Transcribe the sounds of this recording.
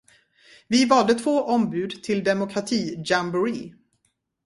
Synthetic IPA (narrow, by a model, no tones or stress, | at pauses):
vɪvɑld̪ət̪ʰvoːʔɔmbʉ̟ːd̪t̪ʰɪld̪ɛmʊkʰɾat̪ʰiːd͡ʒambɵɾi